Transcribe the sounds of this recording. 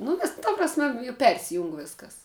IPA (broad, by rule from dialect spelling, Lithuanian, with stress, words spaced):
nʊ ˈʋʲɪs tɐ prɐsʲˈmʲɛ jʊ ˈpʲɛrʲsʲɪjʊŋk ˈʋʲɪskɐs